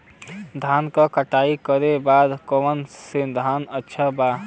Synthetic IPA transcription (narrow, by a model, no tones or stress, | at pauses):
d̪ʱankəkəʈaikəɾebad̪kɔʋənsed̪ʱanətːʃʰəba